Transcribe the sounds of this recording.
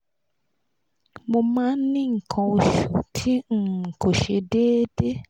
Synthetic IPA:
mo˧mãː˦n̩˦nĩ˦ŋ̩˨kʰɔ̃˧o˧ʃṵ˨tʰi˦ŋ̩˨ko˨ʃe˧deː˦de˦

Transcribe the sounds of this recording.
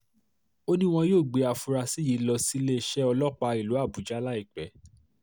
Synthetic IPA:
o˦nĩ˦w̃ɔ̃˧joː˦˨ɡ͡be˧˦a˨fu˧ɾa˧si˦ji˨˦lɔ˧si˦le˦˨ʃɛ˦ɔ˧lɔ˦k͡pa˧i˨lu˨˦a˦˨bu˨˦d͡ʒa˦la˦i˦˨k͡pɛ˨˦

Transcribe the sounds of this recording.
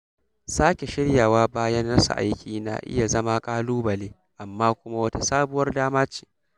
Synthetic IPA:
saː˦kʲe˨ʃɪ˦ɽjaː˨waː˦baː˦jɐ˦nnɐ˦sa̰˨ʔa̰˦jkʲiː˨na̰ː˨ʔɪ̰˦ja˨zɐ˦ma˦kʼaː˦luː˦bɐ˨leː˦ | ʔa˨mːaː˦kʷʊ˦ma˦wɐ˦ta˦saː˦bʊ˦wɐ˦rdaː˦maː˦t͡ʃi̥ː˨

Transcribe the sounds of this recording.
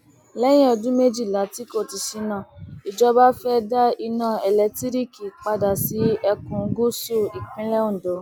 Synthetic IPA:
lɛ˦j̃ɛ̃˦ɔ˧dũ˦me˦d͡ʒi˦˨la˨˦ti˦ko˦˨ti˧ʃi˧nã˦˨i˨d͡ʒɔ˧˦ba˦fɛ˦da˦i˧nãː˦˨ɛ˨lɛ˨˧ti˦ɾi˦ki˨k͡pa˧da˨si˨˦ɛ˧kũ˨˦ɡu˦su˦˨i˨k͡pĩ˦lɛ˦u˦˨do˨˦

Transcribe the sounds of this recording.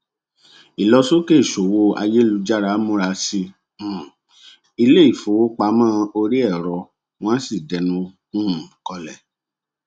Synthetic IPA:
i˨lɔ˧so˦ke˦˨ʃo˨wo˧a̰˧je˦lu˧d͡ʒa˦ɾa˨˦mũ˦ɾa˧sĩ˧˦˨ | i˧le˦i˦˨fo˨wo˦k͡pa˧˦mãː˦˧o˧ɾi˦ɛ˦˨ɾɔ˧ | w̃ã˦si˦˨dɛ˨˦nũ˧˦ | ũ˦˨kɔ˧lɛ̰˨

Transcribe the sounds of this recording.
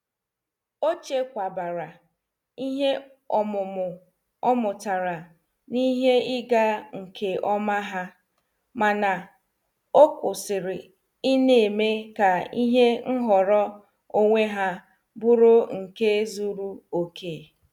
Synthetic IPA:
o˦t͡ʃe˦kʷa˨ba˨ɾa˨ | i˦ɦe˦ | ɔ˨mʊ˨mʊ˨ | ɔ˦mʊ˨ta˨ɾa˨ | ni˦ɦe˦ɪ˦ɡa˦ŋ̩˨ke˨ʔɔ˦ma˦ɦa˦ | ma˨na˨ | o˦kʊ˨sɪ˨ɾɪ˨ | ɪ˦ne˨e˨me˦ka˨i˦ɦe˦n̩˦ɦɔ˨ɾɔ˦ | o˦ŋʷe˦ɦa˦ | bʊ˦ɾʊ˦ŋ̩˨ke˦zu˦ɾu˦o˨kʰeː˦˨

